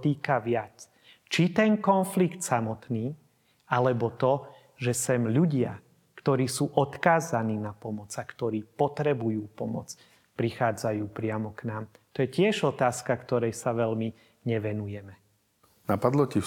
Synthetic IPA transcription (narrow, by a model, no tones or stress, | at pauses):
t̪iːkaʋɪat͡s | t͡ʃit̪ɛnkɔnflikt̪samɔt̪niː | alɛbɔt̪ɔ | ʒɛsɛmʎuɟɪa̰ | kt̪ɔɾiːsuːʔɔt̪kaːzaniːnapɔmɔt͡sakt̪ɔɾiːpɔt̪ɾɛbujuːpɔmɔ̰t͡s | pɾixaːd͡zajuːpɾɪamɔknaːm | t̪ɔjɛcɪɛʒɔt̪aːskakt̪ɔɾɛjsaʋɛʎmi | ɲɛʋɛnujɛmɛ | napad̪lɔci